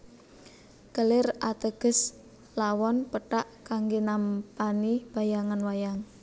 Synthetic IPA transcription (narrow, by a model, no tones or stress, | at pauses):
ɡ̥əlɪrat̪əɡ̥ə̤s | lawɔnpəʈaʔkaŋɡenampanib̥a̤jaŋanwajaŋ